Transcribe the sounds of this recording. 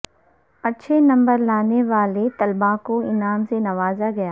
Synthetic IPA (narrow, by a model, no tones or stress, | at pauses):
ɐtːʃʰenɐ̃mbəɾlaːneʋaːlet̪ɐlbãkoɪnaːmsenɐʋaːzaɡɐjaː